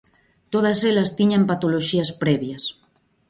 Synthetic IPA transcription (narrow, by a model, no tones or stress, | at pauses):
t̪oð̞ɐselɐst̪iɲempat̪oloʃiɐspɾɛβjɐs